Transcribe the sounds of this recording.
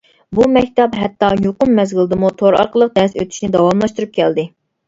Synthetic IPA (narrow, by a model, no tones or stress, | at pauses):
bumɛkʲt̪ɛpɦɛt̪ːɑjoqʊmːɛzɡʲɪlˠd̪ɨmut̪ʰoɾɑ̰ɾqəlˠəq̚d̪ɛsøt̪ʰy̥ʃnɪd̪ɑwɑmlˠɑʃt̪uɾup̚kʲʰɛld̪ɪ